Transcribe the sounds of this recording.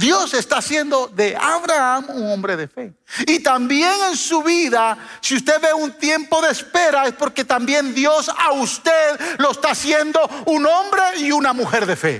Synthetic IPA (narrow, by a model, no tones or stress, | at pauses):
d̪jo̞se̞st̪asje̞nd̪o̞ðe̞aβɾaamuŋo̞mbɾe̞ðe̞fe̞ | it̪ambjeŋensuβiðasiust̪e̞ðβeunt̪je̞mpo̞ðe̞ːspe̞ɾae̞spo̞ɾke̞t̪ambje̞nd̪jo̞saust̪e̞ðlo̞est̪asje̞nd̪o̞uno̞mbɾe̞iunamuxe̞ɾðe̞fe̞̰